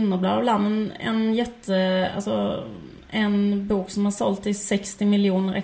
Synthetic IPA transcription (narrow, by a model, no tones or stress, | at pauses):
nːəblɑ̰ːʋlɑmɛnɛ̰njɛt̪ʰːəa̰lsɔ | ɛnbuːksɔmhɑʂɔlt̪ɪsɛkst̪ɪmɪljuːnəɾʔɛ̰